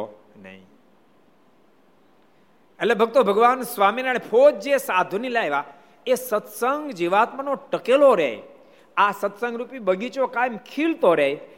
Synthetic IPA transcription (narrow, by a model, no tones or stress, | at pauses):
nə̰ɦḭ̃ | elebʱəɡ̚t̪obʱəɡʋansʋaminənepʰot̪̚d͡ʒesad̪ʱunilajʋa | esət̪səŋɡd͡ʒiʋat̪̚mənoʈəkeloɾeɦḛ | asət̪sə̃ŋɡɾupibəɡit͡ʃokajmkʰilt̪oɾeɦe